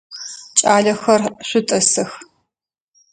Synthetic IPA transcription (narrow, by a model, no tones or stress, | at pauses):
t͡ʃʼaːɮɐxɐrɕʷʊtʼɐsɐx